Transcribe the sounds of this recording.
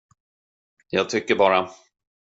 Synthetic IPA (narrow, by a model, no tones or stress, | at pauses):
jɑːɡ̚t̪ʰʏkːəɾbɑːɾa